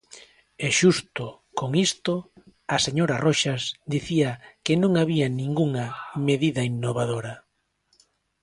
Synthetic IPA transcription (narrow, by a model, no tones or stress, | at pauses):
eʃust̪ʊ | koŋist̪oaseɲoɾɐroʃazd̪iθiɐkɪnõŋaβianĩŋɡuŋɐmeðiðɐinːoβ̞aðoɾɐ